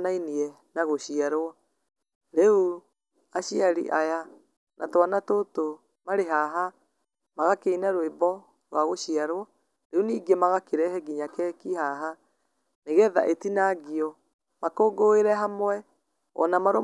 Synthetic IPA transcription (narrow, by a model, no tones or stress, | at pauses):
nainiɛ | naɣoɕiaɾoɔ | ɾeu | aɕiaɾḭʔaja | nʔa̰twanatoto | maɾeɦaɦa | maɣakeinaɾoebɔ | ɾwaɣoɕiaɾoɔ | ɾeuniːɡemaɣakeɾɛhɛɡiɲakɛkiɦaɦa | neɣɛða̰ʔetinaɡiɔ | makoːɡoeɾɛɦamwɛ | ɔ̰namaɾo